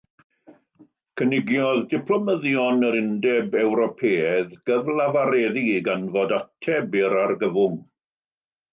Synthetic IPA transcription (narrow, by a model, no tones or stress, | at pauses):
kʰənɪɡjɔðdɪpʰlˠɔməðjɔnəɾɪndɛbɛwɾɔpʰeːɛðɡ̥əvlˠavaɾɛːðiɡanvodatʰɛbɪɾarɡəvʊŋ